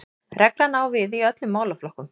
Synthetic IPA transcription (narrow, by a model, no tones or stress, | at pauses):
rɛklanaːwvɪðiœt̪lʏmːaːwlaflɔhkʏm